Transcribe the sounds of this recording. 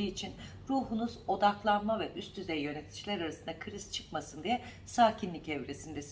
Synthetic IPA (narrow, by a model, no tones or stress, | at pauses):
iit͡ʃʰin | ɾuːɦunuzo̞d̪aklˠanmavɛʔyst̪ʰyzɛjjø̞net̪ʰi̥d͡ʒilʲæɾaɾasɯnd̪akʰɯɾist͡ʃʰɯ̥kmasɯnd̪ijɛ | saːcʰinlʲicɛvɾesind̪ɛsi